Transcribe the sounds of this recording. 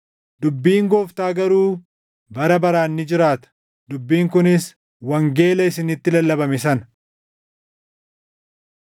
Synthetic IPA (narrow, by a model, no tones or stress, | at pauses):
d̪ʊbːiːŋɡoːft̪aːɡɐɾuː | bɐɾɐbɐɾaːnːɪd͡ʒɪɾaːt̪ɐ̥ | d̪ʊbːiːŋkʊnɪs | wɐŋɡe̞ːlɐɪsɪnɪt̪ːɪlɐlːɐbɐmɪsɐn